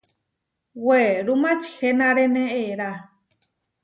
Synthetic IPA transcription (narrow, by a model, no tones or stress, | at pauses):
weɾumãt͡ʃihenãɾenẽeɾa